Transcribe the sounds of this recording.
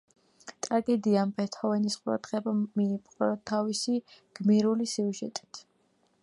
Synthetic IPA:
t̪ʼɾaɡɛd̪iampʰɛt̪ʰɔvɛnisqʼuɾa̰d̪ʁɛbamiːpʼqʼɾɔt̪ʰːavisiɡ̥miɾulisiuʒɛ̰t̪ʼi̥t̪ʰ

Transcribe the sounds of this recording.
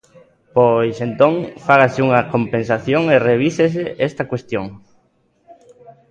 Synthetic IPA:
pojsent̪õŋfaɣasɪuŋɐkompẽnsaθjoŋereβ̞ises̬eʔɛst̪ɐkwest̪joŋ

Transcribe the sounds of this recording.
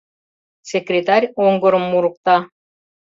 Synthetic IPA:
sʲekrʲet̪arʲoŋɡŏɾɤ̆mːuɾŭq̚t̪ɑ

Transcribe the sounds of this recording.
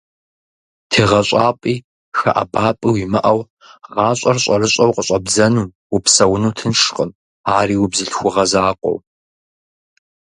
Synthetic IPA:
tʰeːʁɐɕʷʼɑːpʼiː | xɐ̰ʔɐ̰baːpʼiwiːmɐ̰ʔɐw | ʁɑːɕʷʼɐrɕʼɐrɨɕʼɐwqəɕʼɐbzɐnuː | upsɐwʊnuːtʰɨnʂqʼəm | aːɾiːwbzɨɬxʷʊʁɐzaːqʷʼɔ̰w

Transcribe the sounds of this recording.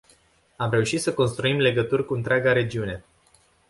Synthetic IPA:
amɾe̞uʃit̪səko̞nst̪ɾuimle̞ɡət̪urʲkuɨnt̪ɾʲaɡaɾe̞d͡ʒiune̞

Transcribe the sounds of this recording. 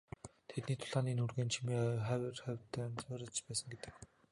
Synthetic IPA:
t̪ʰet̪niːt̪ʰʊ̥ɮʁaːniːnurɣeːnt͡ɕʰimiːχæwʲrχæwʲt̪æːnt͡sʊːɾə̆t͡ɕpæːsə̆ŋɡet̪ɘ̥̆k

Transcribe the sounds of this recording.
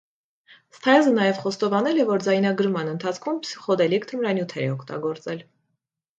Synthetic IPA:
st̪ʰɑjzənɑjɛvχɔst̪ɔvɑnɛlɛvɔɾd͡zɑjnɑɡəɾmɑnənt̪ʰɑt͡sʰkʰumsiχɔd̪ɛlikt̪ʰəmɾɑnjut̪ʰɛɾɛɔkʰt̪ɑ̰ɡɔɾt͡sɛl

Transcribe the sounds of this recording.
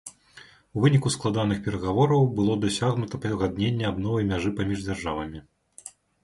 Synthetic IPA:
uvɨnʲikusklˠad̪an̪ɨxpʲɛɾɐɣavɔɾɐwbɨlˠɔd̪asʲaɣnut̪ɐpɣad̪nʲenʲːɛabnɔvɐjmʲaʐɨpamʲiʐd͡zʲarʐavɐmʲi

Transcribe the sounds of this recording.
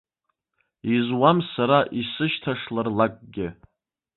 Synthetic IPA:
izwamsaɾaʔisɨʃtʰaʂlarlakʼɡʲɪ

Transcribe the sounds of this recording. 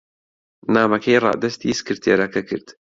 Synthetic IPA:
naːmɐkʰɐjrˤɑ̰ʔd̪ɐst̪ʰisɨ̥kɨɾt̪ʰeːɾɐkʰɐkʰɨ̰ɾd̪̥

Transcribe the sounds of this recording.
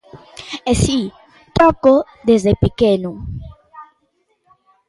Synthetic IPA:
esi | t̪ɔko | d̪ezðepekenu

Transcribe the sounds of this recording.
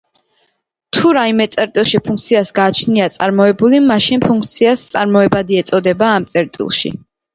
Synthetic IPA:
t̪ʰuɾaimɛt̪sʼɛɾt̪ʼilˠʃipʰuŋk̚ʰt̪sʰiasɡaːt͡ʃʰniat̪sʼaɾmɔɛbulimaʃinpʰuŋk̚ʰt̪sʰiast̪sʼaɾmɔɛbad̪iɛt̪sʼɔd̪ɛbaːmt̪sʼɛɾt̪ʼḭlˠʃḭ

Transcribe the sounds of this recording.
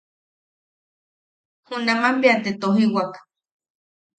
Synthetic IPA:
hunamambeant̪et̪oɦiwakḁ

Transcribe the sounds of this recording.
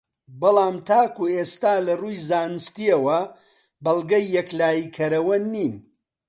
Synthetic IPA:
bɨlˠɑːmt̪ʰaːkueːst̪aːlɐruːjzaːnɨst̪iɐwɐ | bɐlˠɡɐjːɛklaːjikʰɐɾɐwɐniːn

